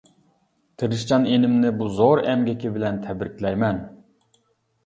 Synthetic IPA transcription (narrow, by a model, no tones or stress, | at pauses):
t̪ʰɨɾɨʃt͡ʃɑnenɪmnɪbuzoɾɛmɡʲɛkʲɪbɪlɛnt̪ʰɛbɾɪkʲʰlɛjmɛn